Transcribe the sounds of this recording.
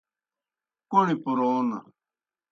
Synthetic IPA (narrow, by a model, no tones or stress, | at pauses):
koñĩpʊɾona̰